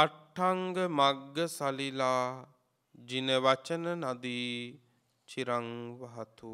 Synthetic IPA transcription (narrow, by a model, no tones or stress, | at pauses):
aʈʰːaŋɡəmaɡːəsalilaː | d͡ʒineʋat͡ʃənənad̪iː | t͡ʃiɾaŋʋaɦat̪u